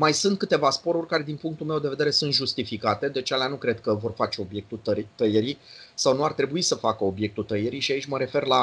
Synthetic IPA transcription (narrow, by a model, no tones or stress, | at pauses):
majsunt̪̚kɨt̪e̞vaspo̞ɾurʲkaɾe̞d̪inpuŋk̚t̪ulmewd̪eve̞d̪eɾe̞sunt̪ʒust̪ifikat̪e̞d̪e̞t͡ʃaleanukɾe̞d̪̚kəvo̞rfat͡ʃe̞o̞bje̞k̚t̪ut̪ət̪əjeɾisawnuart̪ɾe̞buisəfakəo̞bje̞k̚t̪ult̪əjeɾiʃiait͡ʃʲməɾe̞fe̞rla